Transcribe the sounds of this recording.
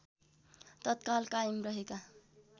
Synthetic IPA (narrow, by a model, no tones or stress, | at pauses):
t̪ʌt̪̚kalkaimrʌɦeka